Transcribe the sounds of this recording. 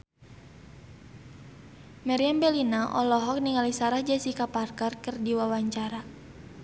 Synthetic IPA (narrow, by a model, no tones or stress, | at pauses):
maɾiambɛlinaʔɔlɔɦɔk̚niŋalisaɾahd͡ʒɛsikaparkarkɨrdiwawaɲt͡ʃaɾa